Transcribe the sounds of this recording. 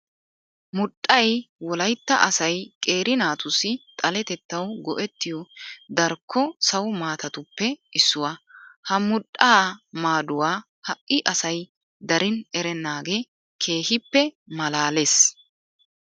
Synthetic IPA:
mʊɗʼːɐjwɔlɐjt̪ːɐʔɐsɐjkʼe̞ːɾɪnaːt̪ʊsːɪt̪ʼɐlɛt̪ɛt̪ːɐwɡɔʔɛt̪ːɪjɔd̪ɐɾkʰːɔsɐwʊmaːt̪ɐt̪ʊpːɛɪsːʊwaːhɐmʊɗʼaːmaːd̪ʊwaː | hɐʔːɪʔɐsɐj | d̪ɐɾɪnɛɾɛnːaːɡeː | kʰe̞ːɦɪpːɛmɐlaːles

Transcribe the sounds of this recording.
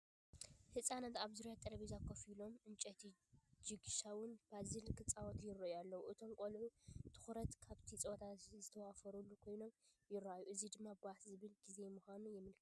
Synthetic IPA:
hɨsʼanɐt̪aβzuɾjat̪ʼːɐɾɐβizakʰːofilo̞mʔɨnt͡ʃʼɐt̪ʰid͡ʒɨɡʃawʊnb̥azilkʰɨt͡sʼawɔt̪ʰjɪrɐʔjalːɐwuʔɨt̪ʰo̞mkʼolʕut̪ʰɨ̥xɾɐt̪kʰaβt̪ʰit͡sʼot̪ʰazɨt̪ʰɐwafɐɾulːukʰo̞jno̞mjɪraajuʔɨzid̪ɨmːabaħt̪zɨβɨlɡize̞muxʷanujɪmɨlkʰt

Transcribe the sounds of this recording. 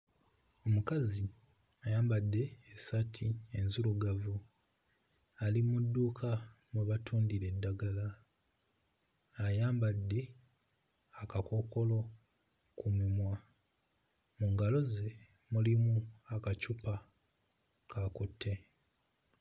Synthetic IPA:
o̞mukazi | ajaːmbadːe̞ːsatʰienzuluɡavu | alimudːuːkʰa | muβatʰuːndiɾe̞dːaɡala | jaːmbadːe̞ | akako̞ko̞lo̞ | kumimwa | muŋɡalo̞ze̞ | mulimuakacupa | kakotʰːe̞

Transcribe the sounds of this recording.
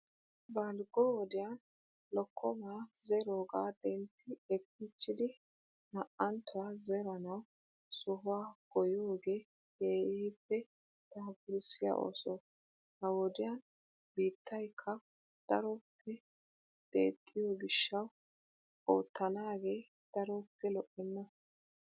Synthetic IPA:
bɐlɡɔwɔd̪ɪjan | lɔkʰːɔmaːzɛɾoːɡaːd̪̥ɛnt̪ʰːɪɛkːɪt͡ʃːɪd̪ɪ | nɐʔɐnt̪ʊwaːzɛɾɐnɐw | sʊɦʊwaːɡ̥ɔjoːɡe̞ː | keːiːpːɛ | t̪ɐhbɪɾɪsɪja̰ʔo̰ːsɔ | hɐwɔd̪ɪjɐn | biːt̪ːɐjkʰːɐ | d̪̥ɐ̰ɾɔpʰːɛ | d̪̥ḛːt̪ʼːɪjɔɡɪʃːɐw | o̰ːt̪ːɐnaːɡe̞ː | d̪̥ɐɾɔːpːɛlɔʔːɛnːɐ

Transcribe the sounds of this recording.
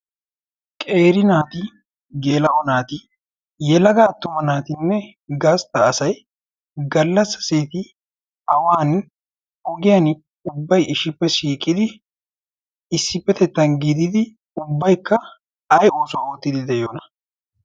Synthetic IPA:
kʼe̞ːɾɪnaːt̪ɪ | ɡeːlɐʔɔnaːt̪ɪ | jɛlɐɡaːt̪ːʊmɐnaːt̪ɪnːɛ | ɡast̪ɐːsɐj | ɡɐlːɐsːɐ̥seːt̪ɪ | ɐwaːn | ɔɡɪjɐn | ʊbːɐjɪʃɪpːɛʃiːkʼːɪd̪ɪ | ɪsːɪpːɛt̪ɛt̪ːɐnɡɪd̪ɪd̪ɪ | ʊbːɐjkːɐ | ɐjoːsʊawɔt̪ːɪd̪ɪd̪ɛjoːnɐ̥

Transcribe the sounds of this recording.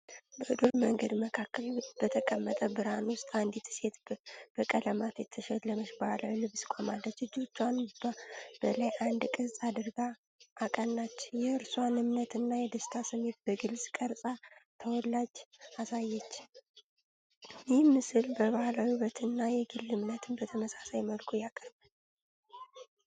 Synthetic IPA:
bəd̪oɾməŋɡəd̪məkʰakʰːəlib̥ət̪ʰəkʼəmːət̪ʼəbɨɾanwʊst̪ʼand̪it̪ʰse̞t̪b̥əkʼələmat̪jɛt̪ʰəʃɛlːəməʃbəhalawilɨβskʷʼomalːət͡ʃːɨd͡ʒo̞t͡ʃːwanbb̥əlajʔand̪kʼɨsʼad̪ɨɾɡa | ʔːkʼənːat͡ʃːjɛɨɾswanɨmnət̪ɨnːajɛd̪əst̪ʰasɨme̞t̪̚b̥əɡɨlsʼkʼəɾsʼat̪ʰəwɔlːad͡ʒasajːɛt͡ʃː | jɪhmɨsɨlbəβahalawiβət̪ʰɨnːajɛɡɨlːɨmnət̪ʰɨnbət̪ʰəməsḁsajməlkʰojakʼːəɾban

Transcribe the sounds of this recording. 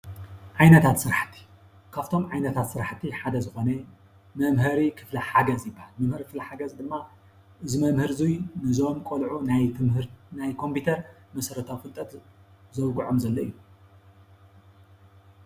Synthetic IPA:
ʕajnɐt̪ʰat̪sɨɾaħt̪ʰːi̥ | kʰaft̪ʰo̞mʕajnɐt̪ʰat̪sɨɾaħt̪ʰːiħad̪ɐzɨxo̞nɐ | mɐmɦɨɾikʰɨflɐħaɡɐzjɪbːahalmɐmhɨɾkɨflɐħaɡɐzd̪ɨmːa | ʔɨzimɐmhɨɾzujnɨzo̞mkʼolʕunajɾnajkʰo̞mpʰit̪ʰɐɾmɐsɐɾɐt̪ʰawfɨlt̪ʼɐt̪ | zɐwɡuʕomzɐlːoʔɨjːu

